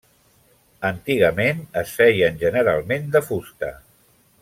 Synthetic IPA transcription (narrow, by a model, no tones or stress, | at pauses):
ənt̪iɣ̞əmenəsfɛjənʲʒənəɾa̰lˠmend̪əfust̪ə̰